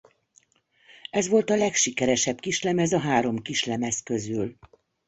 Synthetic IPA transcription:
ɛzʋo̞lt̪ɒlɛkʃikɛɾɛʃɛbkiʃlɛmɛzɒɦaːɾo̞mkiʃlɛmɛskø̞zyl

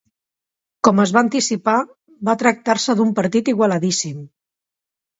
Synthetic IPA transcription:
kɔməzβaːnt̪isipa | βat̪ɾək̚t̪aɾsəðumpəɾt̪it̪iɣwalaðisim

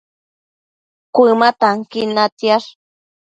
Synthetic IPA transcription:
kʷimat̪aŋkinat̪jaʂ

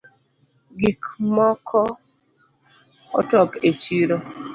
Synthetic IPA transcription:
ɡikmɔkʰɔ | ɔ̰tɔket͡ʃiɾo

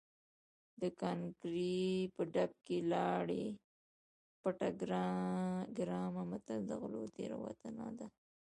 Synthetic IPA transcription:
d̪əkɑnkɾipəɖab̚kelɑɽe | paʈaɡɾ | ɡɾɑmamat̪ald̪əɣlot̪eɾa̰wa̰t̪əna̰d̪a

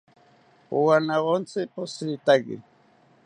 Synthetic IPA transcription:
ʊwanaɢont͡sɪpʊsit̪aɡɪ̰

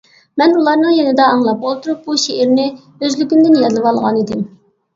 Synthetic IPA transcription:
mɛnulˠɑɾnɨŋjenɪd̪ɑːŋlˠɑp̚bolˠt̪ʰuɾup̚buʃeʔɪɾnɪ | øzlykʲymd̪ɪnjɛɨlˠɨʋɑlˠʁɑnid̪ɪm

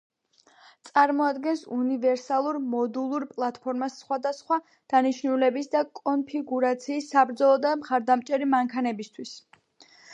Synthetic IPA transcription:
t̪sʼaɾmɔad̪ɡɛnsunivɛɾsalˠuɾmɔd̪ulˠuɾpʼlˠat̪ʰpʰɔɾmasːχwad̪asχwa | d̪̥aniʃnulɛbisd̪akʼɔnpʰiɡuɾat̪sʰiːsːabɾd̪zɔlˠɔd̪amχaɾd̪amt͡ʃʼɛɾimaŋkʰanɛbist̪ʰwis

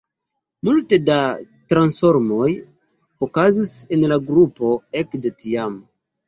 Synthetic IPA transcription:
multe̞datɾansfo̞ɾmo̞j | okazise̞nlaɡɾupo̞e̞kdetiam

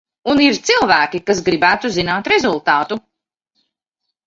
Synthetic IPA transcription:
uniɾt̪silˠvæːkikas̬ɡɾibæːt̪uzinaːt̪ɾɛzulˠt̪aːt̪u

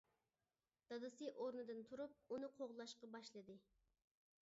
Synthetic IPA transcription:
d̪̥ɑd̪ɨsɨʔoɾnɨd̪ɨnt̪ʰuɾup̚unɨqʰoʁlˠɑʃqɑbɑʃlˠɨd̪ɨ

